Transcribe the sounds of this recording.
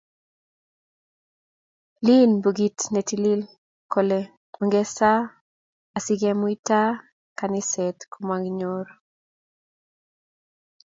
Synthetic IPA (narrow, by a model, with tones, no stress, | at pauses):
li˦nbo˨ɡi˨tne˨ti˦li˦l | ko˨le | o˨ŋɡɛ˦sa˦ | a˨sɪ˦ɡɛ˦mwi˦ta˦ | ka˨nɪ˦sɛ˨t̪komwa˨ŋɡɲoɾ